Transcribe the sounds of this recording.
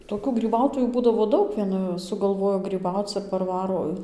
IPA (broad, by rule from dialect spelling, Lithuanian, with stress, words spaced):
toːˈkʲuː ɡrʲiːˈbɐʊtoːjuː ˈbuːdɐʋoː ˈdɐʊk ˈʋʲiɛnɐ sʊɡɐlˠˈʋoːjoː ɡrʲiːˈbɐʊt͡s ɪr pɐrˈʋɑːroː